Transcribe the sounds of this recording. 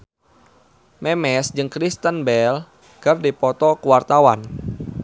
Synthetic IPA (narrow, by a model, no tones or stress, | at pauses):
mɛmɛsd͡ʒɨŋkɾist̪ənbɛl | kərdipɔt̪ɔkuwart̪awan